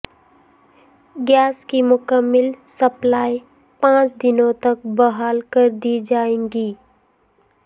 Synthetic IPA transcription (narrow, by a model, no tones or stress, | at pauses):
ɡjaːskimʊkəmːɪlsɐplaːi | pãːt͡ʃd̪ɪnõt̪ɐk̚bɐɦaːlkəɾd̪iːd͡ʒaːẽːŋɡiː